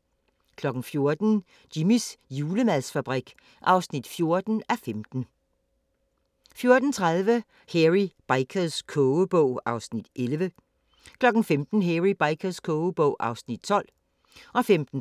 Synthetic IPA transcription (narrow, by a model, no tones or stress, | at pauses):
kʰlɒ̽ɡ̥n̩fjo̝ɐd̥n̩ | d̥imisjuːləmæð̰ˠsfæb̥ʁiɡ̥ | ʔɑ̈ʊsnid̥fjo̝ɐd̥n̩æfemd̥n̩ | fjo̝ɐd̥n̩t͡sʰʁað̞ˠʋə | heʁib̥ɑ̈ɪkʰəðˠskʰɔb̥ɔʊ̰ɑ̈ʊsnid̥ʔelʋə | kʰlɒ̽ɡ̥n̩femd̥n̩ɦeʁib̥ɑɪkʰɐðˠskʰɔʊəb̥ɔ̽ʊ̰ʔɑ̈ʊsnid̥̚t͡sʰɒ̽l̰ | ɒ̽femd̥n̩